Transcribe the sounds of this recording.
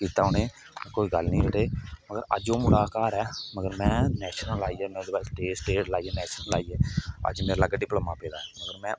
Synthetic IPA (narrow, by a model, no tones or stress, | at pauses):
kiːt̪aːoːneː | ɛ̃koːiːɡəlnĩːɦəɽeːməɡəɾə̰d͡ʒõːmʊɽaːkaːɾɛːməɡəɾmɛ̃ːnɛːʃnəlaːiːɛːmɛ̃d̪eːbaːsʈeːsʈeːʈlaːiːɛːnɛːʃənəla̰ːiːeːə̰d͡ʒmeːɾaləɡaːɖɪpləmãːpeːd̪aːɦɛːməɡəɾmɛ̃ː